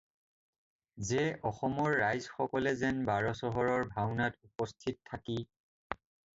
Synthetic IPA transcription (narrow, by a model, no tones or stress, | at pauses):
zeʔɔxɔmɔɹːajzxɔkɔlɛzɛnbaɹɔsɔɦɔɹɔɹbʱawnatupɔstʰit̚tʰːaki